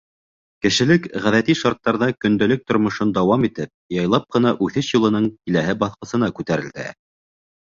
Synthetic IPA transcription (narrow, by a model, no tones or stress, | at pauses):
kɘ̆ʃɘ̆lɘkʁæðæt̪iʃɑɾt̪ːɑɾðɑkɵ̆nd̪ælɘk̚t̪ŏɾmŏʃond̪ɑwɑmit̪ɘp̚jɑjlˠɑp̚qɤ̆nɑʔʉθɘʃjulˠɤ̆nɤɴkilæɦɘbɑθqɤ̆sɤ̆nɑkʉt̪æɾɘ̆ld̪æ̰